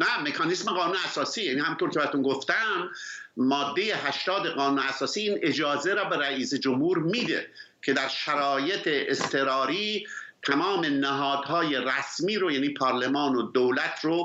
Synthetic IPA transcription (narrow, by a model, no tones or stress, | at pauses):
næmekʰɑnismeɣɒːnuːneæsɒːsiːjæːniːhæmint̪oɾkʰʲebæɾt̪unɡoft̪æmː | ɒːd̪ːe̞je̞hæʃt̪ɒːd̪eɢɒːnuːneæsɒːsiːiːne̞d͡ʒɒːzeɾɒːbeɾæiːsed͡ʒomhuːɾmiːd̪ḛ | cʰe̞d̪æɾʃæɾɒːje̞t̪ʰeʔest̪ʰe̞ɾɒːɾiːt̪ʰæmɒːme̞næɦɒːd̪hɒːje̞ræsmiːɾojæːniːpʰɒːɾlemɑːnod̪owlæt̪ʰɾo